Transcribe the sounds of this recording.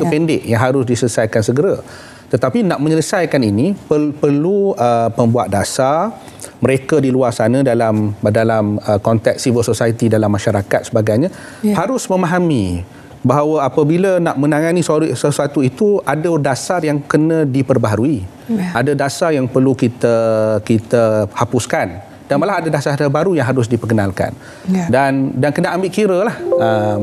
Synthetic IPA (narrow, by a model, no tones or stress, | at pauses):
kəpɛndɪʔjaŋɦaɾʊsdisələsajkansəɡəɾa | t̪ət̪apinaʔmə̃ɲələsajkaninipəpərluəpəmbua̰t̪̚dasar | məɾekadiluarsanə̃dalamdalaməkɔnt̪ɛk̚sivəlsosajit̪idalamːaʃaɾakat̪̚səbaɡajɲã | haɾʊsmə̃maɦamḭ | baɦawəapəbilənaʔmə̃naŋãnissəsuat̪uit̪uʔadədasarjaŋkənə̃dipərbaɦaɾui | ʔadədasarjaŋpərlukit̪əkit̪əhapʊskan | danmalahadadasarbaɾujaŋɦaɾʊs̬dipəkənalka̰n | dandankənaʔambɪʔkiɾəlahə